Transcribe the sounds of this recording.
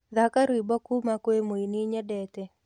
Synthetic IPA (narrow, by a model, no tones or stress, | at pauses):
ðakaɾwibɔkumakwemoiniɲɛdɛtɛ